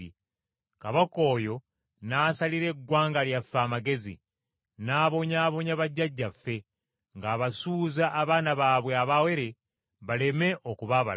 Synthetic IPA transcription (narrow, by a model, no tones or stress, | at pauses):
i | kaβako̞ːjo̞ | naːsaliɾe̞ɡwaːŋɡaljafːaːmaɡe̞zḭ | naːβo̞ɲaːβo̞ɲaβaɟːaɟːafːe̞ | ŋɡaːβasuːzaʔːβaːnaβaːβwe̞aβawe̞ɾe | βale̞me̞ʔokuβaβa̰l